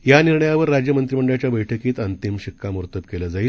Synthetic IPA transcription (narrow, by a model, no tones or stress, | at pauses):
janiɾɳəjaʋəɾːad͡ʑjəmənt̪ɾiməɳɖɭat͡ɕjabəjʈʰəkiːt̪ənt̪imɕikːamuɾt̪əbkeləd͡zaiː